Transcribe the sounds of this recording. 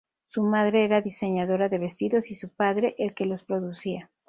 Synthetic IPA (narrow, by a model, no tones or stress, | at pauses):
sumaðɾe̞eɾaðise̞ɲaðo̞ɾaðe̞βe̞st̪iðo̞sisupaðɾe̞ʔelke̞lo̞spɾo̞ðusia